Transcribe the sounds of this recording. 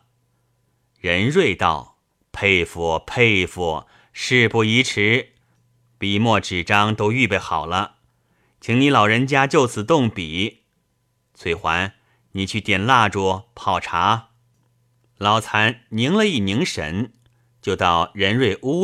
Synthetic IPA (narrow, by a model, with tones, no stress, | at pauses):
ɻə˧˥nɻwe˥˧ɪt̪ɑ̰˥˩ʊ | pʰe˥˧ɪfu˨˧˩pʰe˥˧ɪfu˥˩ | ʂɻ̩˥˧pu˥˩i˧˥ʈ͡ʂʰɻ̩˧˥ | pi˨˩mwɔ˥˩ʈ͡ʂɻ̩˨˩ʈ͡ʂɑ˥ŋt̪o˥ʊy˥˧pe˥˩ɪxɑ˨˩ʊlə˦ | t͡ɕʰi˧˥ŋni˧˥lɑ˨˩ʊɻə˧˥nt͡ɕja˥t͡ɕjo˥˩ʊt͡sʰɹ̩˨˩t̪ʊ˥˩ŋpi˨˩˦ | t͡sʰwe˧˩ɪxwa˧˥n | ni˨˩t͡ɕʰy˥˩t̪jɛ˨˩nla˥˩ʈ͡ʂwɔ˥˩pʰɑ˥˩ʊʈ͡ʂʰa˧˥ | lɑ˨˧˩ʊt͡sʰa˧˥nni˧˥ŋlə˧i˥˩ni˧˥ŋʂə̰˧˥n | t͡ɕjo˥˧ʊt̪ɑ˥˩ʊɻə˧˥nɻwe˥˩ɪʔu˥